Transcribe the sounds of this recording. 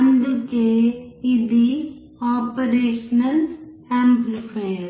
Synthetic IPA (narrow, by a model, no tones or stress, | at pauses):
ɐnd̪keɪd̪i | aːpəɾeːʃnəlhɛ̃ːmplfʰeːɾ